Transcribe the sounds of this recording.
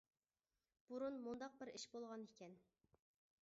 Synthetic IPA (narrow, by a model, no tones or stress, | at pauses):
b̥uɾunmund̪ɑq̚bɪɾiʃbolˠʁɑnikʲʰɛn